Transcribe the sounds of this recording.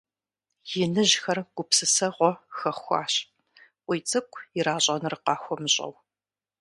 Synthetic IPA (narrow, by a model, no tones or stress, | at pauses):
jɪnɨʑxɐrɡ̥ʷʊpsɨsɐʁʷɔxɐχxʷɑ̰ːɕ | ʔʷijt͡sʼɨkʷʼʰjɪɾaːɕʼɐnɨrɨqɑːxʷɔmɨɕʼɐ̰w